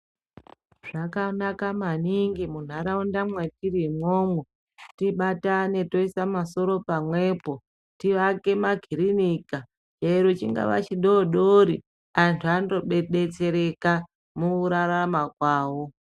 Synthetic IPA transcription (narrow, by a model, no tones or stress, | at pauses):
ʐ̥akanakamaniŋɡimun̤aɾaundamwe̞tiɾimwoːmwe | tiɓatane̞to̞isamaso̞ɾo̞pamwe̞ːpo̞ | tiʋake̞maɡʱiɾinika | t͡ʃeiɾot͡ʃiŋɡa̰ʋa̰t͡ʃiɗoɗoɾi | antʰuando̞ɓeɗe̞t͡se̞ɾe̞ka | muuɾaɾamakwaːwo